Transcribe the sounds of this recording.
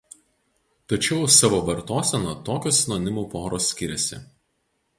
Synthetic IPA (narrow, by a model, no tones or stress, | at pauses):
t̪ɐt͡ʃʲɛʊsɑʋoːʋɐɾt̪oːsʲɛnɔːt̪oːkʲosʲnoːnʲɪmuːpoːɾoːsʲkʲɪɾʲɛsʲɪ̰